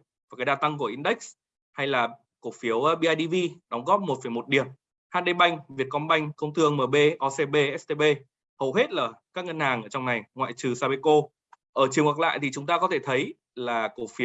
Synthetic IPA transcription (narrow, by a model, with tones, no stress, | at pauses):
va˨˩kaː˨˦jɗaː˧˩t̪a˧ŋku˧˩əʔi˧nɗə˦˥jk̚s | ha˧jlaː˨˩ | ko˧˩fi˨˦əwɓi˧ʔaː˧jɗi˧vi˧ɗa˨˦wŋ͡mɣɔ˦˥p̚mo˨˩t̚fə˧˩jmo˨˩t̚ɗi˨˩əm | haː˧nɗe˧ɓa˧jŋ̟vi˨˩ət̚kɔ˨˧˦nɓa˧jŋ̟kə˧wŋ͡mt̪ɨ˧əŋməː˨˩ɓe˧ʔɔ˧se˧ɓe˧ʔɛ˦˥st̪e˧ɓe˧ | hə˨˩whe˦˥t̚laː˨˩kaː˦˥k̚ŋə˧nhaː˨˩ŋʔəː˧˩t͡ɕɔ˧wŋ͡mna˨˩jŋwa̰ː˧˨jt͡ɕɨ˨˩saː˧ɓe˧ko˧ | ʔəː˧˩t͡ɕɨ˨˩əŋa˨˩k̚la̰ː˧˨jt̪ʰi˨˩t͡ɕʊ˨˦ŋ͡mt̪aː˧kɔ˨˦t̪ʰe˧˩t̪ʰə˨˦j | laː˨˩ko˧˩fi˨˦w